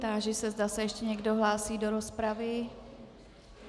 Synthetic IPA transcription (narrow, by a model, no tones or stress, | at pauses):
t̪aːʒɪsɛzdasɛjɛʃcɛɲɛɡdo̞ɦlaːsiːdo̞ɾo̞spɾavɪ